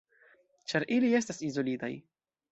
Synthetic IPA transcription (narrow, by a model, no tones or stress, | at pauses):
t͡ʃaɾʔilie̞stasizo̞lita̰j